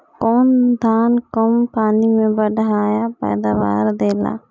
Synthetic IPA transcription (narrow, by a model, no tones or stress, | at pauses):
kɔːnd̪ʱaːnkəmpaːnimẽbəɖʱaːjapɛ̰ːd̪aːʋa̰ːɾd̪eːla̰ː